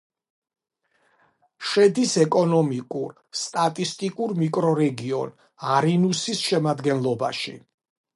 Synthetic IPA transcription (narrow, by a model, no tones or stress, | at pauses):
ʃɛd̪isɛkʼɔnɔmikʼuɾ | st̪ʼat̪ʼist̪ʼikʼuɾmikʼɾɔɾɛɡiɔ̰n | aɾinusisʃɛmad̪ɡɛnlˠɔba̰ʃḭ